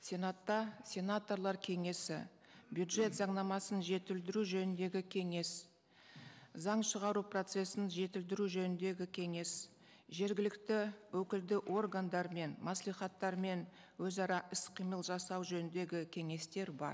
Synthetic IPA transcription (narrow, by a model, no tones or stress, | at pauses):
sʲe̞nat̪ːɑsʲe̞nat̪o̞rlˠɑɾkʲʰe̞ŋe̞sɪ̰ | bjud̪ʒe̞t̪zɑɴnɑmɑsənʒe̞t̪ɪld̪ɪɾuʒɵnɪnd̪e̞ɡʲɪkʲʰe̞ŋe̞s | zɑɴʃəʁɑɾupro̞t̪se̞sɪnʒe̞t̪ɪld̪ɪɾuʒɵnɪnd̪e̞ɡʲɪkʲʰe̞ŋe̞s | ʒe̞ɾɡʲɪlɪkt̪ɪwɵkʲɪld̪ɪʔo̞rɡand̪ɑɾme̞nmɑslˠijχɑt̪ːɑɾme̞n | wɵzɑɾɑʔɪsqʰijməlˠʒɑsɑwʒɵnɪnd̪e̞ɡʲɪkʲʰe̞ŋe̞st̪e̞ɾbɑ̰ɾ